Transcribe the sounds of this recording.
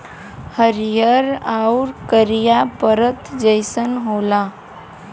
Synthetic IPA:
həɾijəɾauɾkəɾijapəɾət̪d͡ʒəɪsənɦola

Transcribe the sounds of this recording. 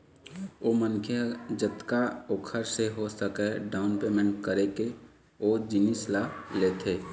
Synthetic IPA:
oːmənkʰjəd͡ʒət̪kaoːkʰəɾseɦosəkɛɖaːʊnpeːmẽɳʈkəɾeke | oːd͡ʒɪnislaleːt̪ʰeː

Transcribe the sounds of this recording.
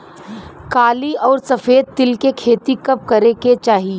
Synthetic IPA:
kaːliɔːɾsɐfeːd̪̚t̪ɪlkekʰeːt̪ikɐp̚kɐɾeket͡ʃaːɦi

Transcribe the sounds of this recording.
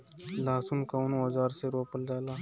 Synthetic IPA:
laːsunkawnũɐzaːɾseɾoːpɐld̪aːlaː

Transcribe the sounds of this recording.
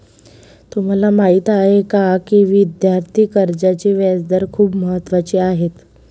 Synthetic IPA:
t̪um̤alamaɦit̪aɦekakiʋid̪jaɾt̪ʰiːkəɾd͡ʑat͡ɕiːʋɛd͡zd̪əɾkʰuːbməɦət̪ːʋat͡ɕiaɦet̪

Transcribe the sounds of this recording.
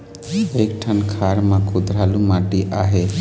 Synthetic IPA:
eːkʈʰənkʰaːɾmãkʰʊd̪ɾaːlumãːʈiʔaːɦe

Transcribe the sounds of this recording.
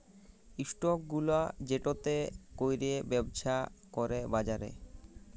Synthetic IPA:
iʃʈokɡulad͡ʑeʈot̪ekojɾiebɛboʃakoɾebad͡ʑaɾḛ

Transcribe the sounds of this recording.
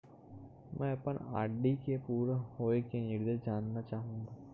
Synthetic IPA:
mʔɛ̃ːɐpəna̰ːɖikepuːɾhoːekenɪɾd̪eːd͡ʒaːnːat͡ʃaːɦũːŋɡaː

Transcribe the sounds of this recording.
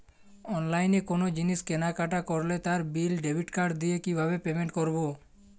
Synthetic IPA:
ɔnlajnekonod͡ʑiniʃkenakaʈakoɾlet̪aɾbilɖebʱiʈkaɾɖd̪ijekibʱaβepemeɳʈkoɾbo

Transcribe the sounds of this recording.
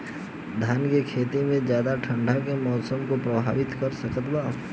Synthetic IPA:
d̪ʱaːnkekʰeːt̪imẽd͡ʒjaːd̪aʈʰə̃ɳɖʱakemɔːsəmkopɾəbʱaːʋɪt̪kəɾsəkət̪baː

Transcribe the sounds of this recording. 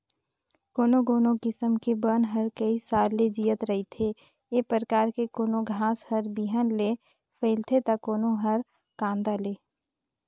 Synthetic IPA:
koːnoɡoːnokɪsəmkebənɦəɾkəisaːlːed͡ʒiːət̪ɾəɦit̪ʰe | eːpɾəɾəkaːɾkekoːnoɡʱãːshəɾbiɦənle | fʰeːlt̪ʰet̪ɐkoːnoɦəɾ | kãːnd̪aleː

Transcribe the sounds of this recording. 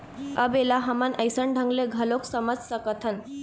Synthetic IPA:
əbelaɦəmənʔəjsəɳɖʱəŋɡleɡʱəloksəməd͡zsəkət̪ʰən

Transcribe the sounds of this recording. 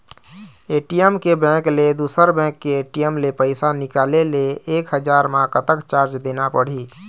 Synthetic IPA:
eʈijəmkebɛ̃kled̪usəɾbɛ̃kːeːʈijəmlepəɪsanikaːleleeːkɦəd͡ʒaɾmãkət̪əkt͡ʃaɾt͡ʃd̪enapəɽ̤i

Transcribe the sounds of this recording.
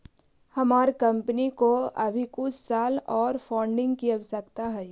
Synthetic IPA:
hɐmaːɾkɐ̃mpənikoɐbʱikʊt͡ʃʰsaːlɔːɾfaːɳɖɪ̃ŋɡkiɐʋsɐkt̪aɦɛː

